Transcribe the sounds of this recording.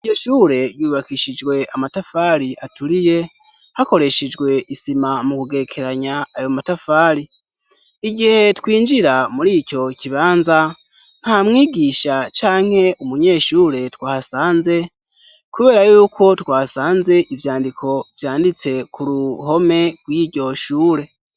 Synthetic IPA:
ijoʃuɾe̞juːβakiʃid͡ʒɡwe̞amatafaːɾiʔatuɾije̞ | hako̞ɾe̞ʃed͡ʒɡwe̞ʔisimamukuɡe̞kʰe̞ɾaɲaːjo̞matafaːɾi | iɟihe̞twiːnd͡ʒiɾamuɾiːco̞ciβaːnza | n̥hamŋiːɡiʃat͡ʃaːŋ̥he̞ʔumuɲe̞ːʃuɾe̞twaːhasaːnze̞ | kuβe̞ːɾajuːkʰo̞twaːsaːnze̞ʔivjaːndikʰo̞vjaːndit͡se̞kuɾuɦo̞me̞ɾɡwiːɟo̞ʃuːɾe̞

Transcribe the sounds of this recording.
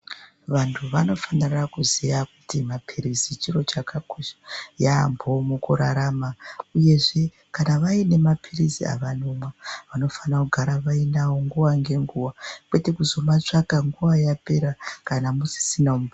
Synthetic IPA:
ʋantʰuʋano̞fanirakuzijakutimapʰiɾizit͡ʃiro̞t͡ʃakakoʃḁja̰ːmbo̞mukuɾaɾamauje̞ʐe̞ | kanaʋaine̞mapʰirizḭa̰ʋanomwaʋano̞fanakuɡʱaɾaʋainawo̞ŋɡuʋaŋɡe̞ŋɡuʋakwe̞te̞kuzo̞mat͡ʂakaŋɡuʋajape̞ɾakanamusi̥sinaumb

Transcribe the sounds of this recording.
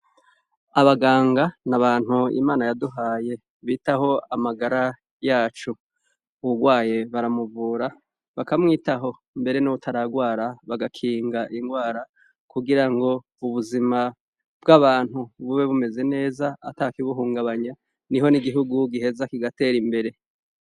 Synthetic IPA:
aβaɡaːŋɡanaβaːn̥huḭmaːnajaduɦaːje̞ | βiːtaɦo̞amaɡaɾa | jaːt͡ʃu | uuɡwaːje̞βaɾamuvuːɾa | βakamŋiːtaɦo̞ | mbe̞ɾe̞nuβutʰaɾaɡwaːɾaβaɡakʰiːŋɡaʔiŋɡwaːɾa | kuɡiɾaŋɡo̞ | uβuzima | b̥ɡaβaːn̥huβuβe̞βume̞ze̞ne̞ːzaːtakiβuɦuːŋɡaβaɲa | niɦo̞niɡiɦuɡuɡiɦe̞zakiɡate̞ːɾimbe̞ɾe̞

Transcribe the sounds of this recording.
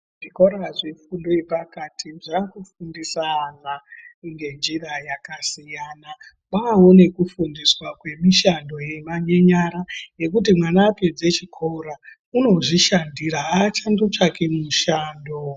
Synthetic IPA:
ʐiko̞ɾaʐefundoepakatʰiʐakufundisaːnaŋɡe̞nd͡ʒirajakasijana | ɓaɦo̞ne̞kufundiswakwe̞miʃando̞je̞maɲeɲaɾaje̞k̬ut̬imwanaːpe̞d͡ze̞t͡ʃikʰouɾa | uno̞ʐiʃandiɾaɦat͡ʃandot͡ʂakemuʃaːndo

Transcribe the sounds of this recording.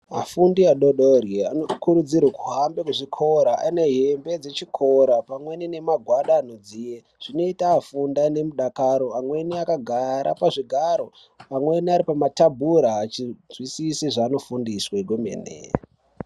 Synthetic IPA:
ma̰fundiaɗoɗorjeanokuɾud͡zirwakuɦambekuʐikʰo̞ɾaʔa̰ineɦembe̞d͡ze̞t͡ʃikʰoɾapamwe̞nine̞maɡʱwaɗaːno̞d͡zije | ʐ̥ino̞itaːfundane̞muɗakaɾo̞amwe̞niakaɡʱaɾa̰paʐiɡʱaɾo̞ | amwe̞niaɾipamatabʱuɾaːt͡ʃizwisisiʐaːno̞fundiswaɡʱomḛːnḛ

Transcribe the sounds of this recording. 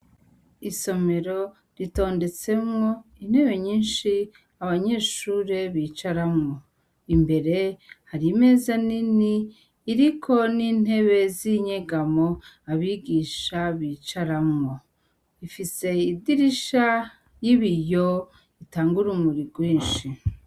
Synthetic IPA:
iso̞me̞ɾo̞ | ɾito̞ːnde̞t͡se̞mŋo̞in̥he̞βe̞ɲiːnʃi | aβaɲe̞ːʃuːɾe̞βiːt͡ʃaɾamŋo̞ | imbe̞ɾe̞haɾime̞zaniniː | ɾikʰo̞niːn̥e̞βe̞ziɲeɡamoaβiɡiʃaβiːt͡ʃaɾamŋo̞ | ifise̞idiɾiʃa | jiβijo̞ | itaːŋɡuɾumuɾiɡwiːnʃi

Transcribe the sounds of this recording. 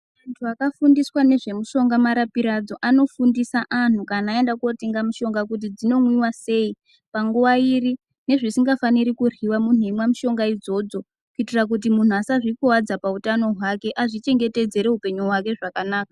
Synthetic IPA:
ʋantʰuakafundiswane̞ʐe̞muʃo̞ŋɡamaɾapiɾad͡zo̞ʔano̞fundisaʔan̤ukanaːe̞ndakuoteŋɡamuʃo̞ŋɡak̬ut̬id͡zino̞ŋwiwase̞i | paŋɡuʋairi | ne̞ʐisiŋɡafaniɾikuriwamun̤uemwamuʃo̞ŋɡaid͡zo̞d͡zo̞ | kuitirak̬ut̬imun̤uasaʐikuwad͡zapautano̞ɦwake̞ʔaʐit͡ʃe̞ŋɡe̞te̞d͡ze̞ɾe̞ɦupe̞ɲuɦwake̞ʐakanaːka

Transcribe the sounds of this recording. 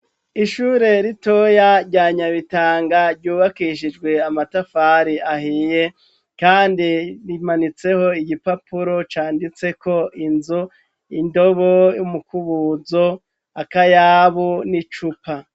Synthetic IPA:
iʃuːɾe̞ɾito̞jaɾɟaːɲaβitaːŋɡaɾɟuːβakiʃid͡ʒɡwe̞amatafaɾiahije̞ | kaːndiɾimanit͡se̞ho̞iɟipapʰuɾo̞t͡ʃaːndit͡se̞ko̞ʔinzo | indo̞βo̞jumukuβuːzo̞ | akajaːβunit͡ʃupa

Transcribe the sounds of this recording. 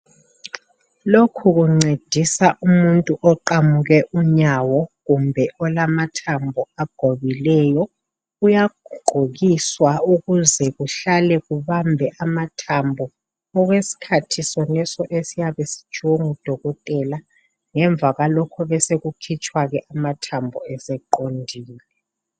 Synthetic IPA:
lokʰuɣuŋ͡ǀed̥ʱisaʔumuntʼuʔɔǃamuɣɛʔuɲawɔɣumbʱɛʔɔlamatʰambʱɔaɡ̥ʱoβilɛjɔ | ujaɡ̥ʱuɡ͡ǃʱoɣiswauɣuzɛɣuɬalɛɣuβambʱɛʔamatʰambʱɔ | ɔɣwesi̥kʰatʰisɔnɛsɔʔesijaβesi̥d̥ʒ̥ʱuwoŋud̥ʱɔɣɔtʼɛla | ŋɛɱb̪vʱaɣalɔkʰɔβɛseɣukʰit͡ʃʰʼwaɣɛʔamatʰambʱɔ̰ɛsɛǃondʱiːlɛ

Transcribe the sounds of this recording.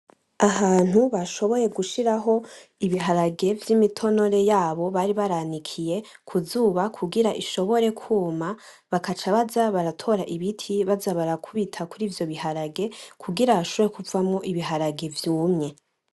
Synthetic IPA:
aɦaːn̥huβaʃo̞βo̞je̞ɡuʃiɾaɦo̞iβiɦaɾaɡe̞vjimitʰo̞no̞ɾe̞jaːβo̞βaɾiβaɾanikʰije̞ | kʰuzuːβakʰuɡiɾaʔiʃo̞βo̞ɾe̞kʰuːma | βakat͡ʃaβazaβaɾatʰo̞ɾaʔiβitʰiβazaβaɾakʰuβitʰakuɾiːvjo̞βiɦaɾaɡe̞kʰuɡiɾaβaʃoβo̞ɾekuvamŋo̞ʔiβiɦaɾaɡe̞vjuːmŋe̞

